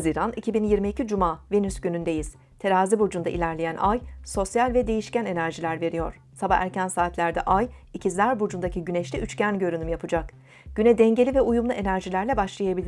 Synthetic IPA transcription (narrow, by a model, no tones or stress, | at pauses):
ziɾanicʰibinjiɾmiːcid͡ʒumaːvenysɟynynd̪e̞jiz̥ | t̪ʰe̞ɾaːzibud͡ʒund̪aʔḭlʲæɾlʲejænʔajso̞sjalʲvɛd̪e̞jiʃcæne̞næɾʒilʲæɾve̞ɾijo̞̰ɾ̥ | sabaæ̰ɾcænsaːt̪lʲæɾd̪ɛ̰ʔajicʰizlʲæɾbud͡ʒund̪acʰiɟynɛʃlʲɛʔyt͡ʃcænɟø̞ɾynymjapʰɯd͡ʒak | ɟ̥ynɛd̪ɛɲɟe̞lʲivɛujumlˠuʔe̞næɾʒilʲæɾlʲɛbaʃlˠajabilʲi